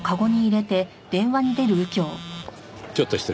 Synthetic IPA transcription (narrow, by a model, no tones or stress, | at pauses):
kaɡo̞ɲ̟iːɾe̞t̪e̞ | d̪̥ẽ̞ɰ̃βaɲ̟id̪e̞ɾɯ̟ɯ̟kʲo̞ː | t͡ɕot̪ːoɕi̥t̪e